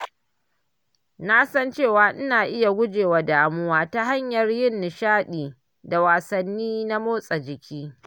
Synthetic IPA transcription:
na˦sɐ˦nt͡ʃeː˦˨waː˨˦ʔɪ˦naː˨ʔɪ˦ja˨ɡʷʊ˦d͡ʒeː˨wa˨daː˨mʊ˦waː˦ta˨ɦa˦ɲjɐ˨rjɪ˦˨nːɪ˨ʃaː˦ɗiː˨ | da˨waː˨sɐ˨nːiː˦na˦moː˦sʼa˨d͡ʒɪ˨kʲʰiː˦

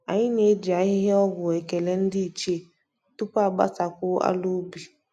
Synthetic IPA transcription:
a˨ɲi˦ɲe˨˦d͡ʒi˨a˨˦i˦ɦɛ˦wɔ˦ɡʊ˨ɛ˨kɛ˨lɛ˦n̩˦di˦˨t͡ʃe˦˨ | t̪u˦pa˦˨ba̰˦ta˨ku˦a̰˦lo˦bi˨

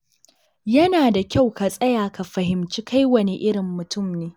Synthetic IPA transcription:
jɐ˦naː˨da˨kʲa˦˨wka˨sʼɐ˦jaː˨ka˨ɸɐ˨hɪ˨mt͡ʃi˦ka˦jwɐ˨ne˨ʔɪ˦ɽɪ˨mːʊ˨tʊ˦˨mneː˨˦

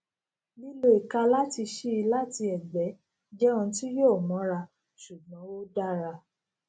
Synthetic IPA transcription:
li˦lo˦i˨ka˧la˦ti˧ʃi˦i˧la˦ti˧ɛ˨ɡ͡bɛ˨˦ | d͡ʒɛ˦ɔ̃˧˦ti˦jo˦˨mɔ̃˨˦ɾa˧ | ʃu˨ɡ͡bɔ̃˨˦wo˦da˦ɾa˧

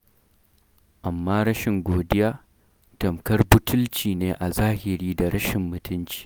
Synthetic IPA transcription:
ʔa˨mːaː˦ɾɐ˦ʃɪ˨ŋɡʷoː˨dɪ˦jaː˦ | tɐ˨mkɐ˦rbʊ˦tʊ˦lt͡ʃiː˨neː˦ʔa˨zaː˦hɪ˨ɾiː˦da˨ɾɐ˦ʃɪ˨mːʊ˨tʊ˦nt͡ʃi̥ː˦˨

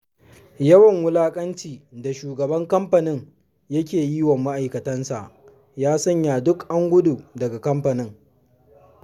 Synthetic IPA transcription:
jɐ˦wɐ˨ŋwʊ˦laː˦kʼɐ˦nt͡ʃiː˨da˨ʃuː˨ɡɐ˨bɐ˦ŋkɐ˦mɸɐ˨nɪ˦ŋ | jɐ˦kʲeː˨jiː˦wɐ˨mːa˦ʔa˨jkɐ˨tɐ˦nsa˨ʔ | jaː˦sɐ˦ɲjaː˨dʊ˦kʔa˦ŋɡʷʊ˦du˨dɐ˨ɡa˨kɐ˦mɸɐ˨nɪ˦ŋ

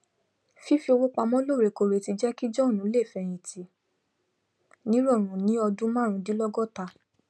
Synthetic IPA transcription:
fi˦fi˧o˧wo˦k͡pa˧mɔ̃˦lo˦˨ɾe˨ko˧˨ɾe˨ti˧d͡ʒɛ˦ki˦d͡ʒɔ˦˨nũ˨˦le˦˨fɛ˧˨j̃ĩ˨tʰi˨ | nĩ˨˦ɾɔ˦˨ɾ̃ũ˨nĩ˨˦ɔ˧dũ˦mã˦ɾ̃ũ˧˦di˨˦lɔ˦ɡɔ˦˨ta˧

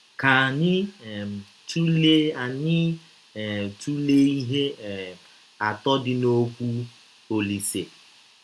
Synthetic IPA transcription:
ka˨ɲɪ˦˨ | tu˦le˦a˨ɲɪ˦˨ | tu˦le˦i˦ɦe˦˨ | a˨tɔ˦dɪ˦no˦kʷu˦ | o˨li˨se˨

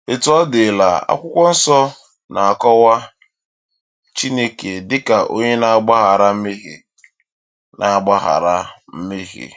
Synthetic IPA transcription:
e˨tɔ˦dɪ˨la̰˨a̰˦kʷʊ˦kʷɔ˦n̩˦sɔ˦ | na˨a˨kɔ˦wa˦ | t͡ʃi˦ne˦ke˨dɪ˦ka˨ʔo̰˦ɲe˦na˦a˦ɡ͡ba˦ɣa˨ɾa˦m̩˦mi˦ɦḭ˨ | na˨a˦ɡ͡ba˦ɦa̰˨ɾa˦m̩˦mi˦ɦḭ˨

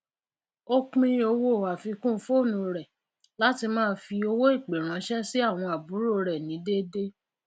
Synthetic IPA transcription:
o˦k͡pĩ˦o˧wo˦˨wa˨fi˧kũ˦fo˦˨nũ˧˦ɾɛ˨ | la˨˦ti˧mãː˦fi˧o˧wo˦i˦˨k͡pe˨ɾ̃ã˨˧˦ʃɛ˦si˦a˦˨w̃ɔ̃˧a˨bu˨˦ɾo˦ɾɛ˨nĩ˨˦de˦de˦

